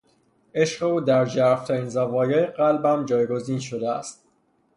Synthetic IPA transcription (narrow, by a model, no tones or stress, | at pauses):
e̞ʃɢe̞uːd̪æɾd͡ʒæɾft̪ʰæɾiːnzævɒːjɒːjeɢælbæmd͡ʒɒːjɡo̞ziːnʃo̞d̪eæ̰st̪̚